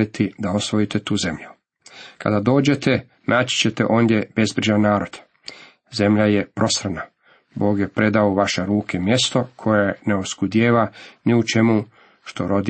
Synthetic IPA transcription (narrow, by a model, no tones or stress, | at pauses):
it̪ʰid̪aosʋo̞jit̪et̪uːze̞mʎu | kʰa̰d̪ad̪o̞ːd͡ʑe̞t̪ʰe | naːt͡ɕi̥t͡ɕe̞t̪ḛʔo̞ːnd̪je̞b̥e̞zbɾiʒanːaːɾo̞d̪̥ | ze̞mʎajepɾʔo̞sɾana | bo̞ːɡje̞pɾe̞d̪aoʋaʃeɾuːkʰe̞mje̞st̪o̞kʰo̞jeneoskud̪jeːʋaniut͡ʃe̞mu | ʃt̪oɾo̞d̪